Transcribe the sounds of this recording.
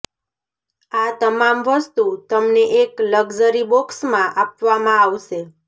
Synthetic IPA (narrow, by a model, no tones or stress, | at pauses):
at̪əmamʋəst̪ut̪əmneʔekləɡd͡ʒəɾibɔksmãʔapʋamãaʋʃe